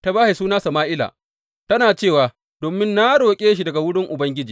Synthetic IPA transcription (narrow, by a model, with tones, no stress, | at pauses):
ta˦baː˦ha˨suː˦naː˦sɐ˨maː˦ʔɪ˦la̰ː˨ | tɐ˦naː˨t͡ʃeː˦˨waː˨ | d̥oː˨mɪ˦nːa˦ɽoː˨kʲʼeː˦ʃ̬i˨dɐ˨ɡa˨wʊ˦ɽɪ˦ŋʔʊ˨bɐ˦ŋɡʲɪ˦d͡ʒiː˨